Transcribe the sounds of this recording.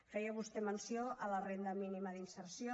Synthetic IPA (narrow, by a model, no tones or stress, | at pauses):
fɛjaβust̪emənsjoʔalɐrend̪ɐminimɐðinsəɾsjo